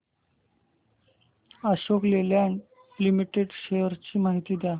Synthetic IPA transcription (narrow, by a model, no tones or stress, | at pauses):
aɕokleljaɳ | limiʈeɖɕejəɾt͡ɕiːmaɦit̪iːd̪ja